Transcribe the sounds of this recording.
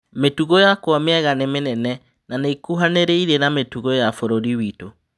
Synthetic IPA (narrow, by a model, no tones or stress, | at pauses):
metuɣojakwameɛɣanemenɛnɛ | naneikuɦaneɾeiɾenametuɣojafoɾoɾiwito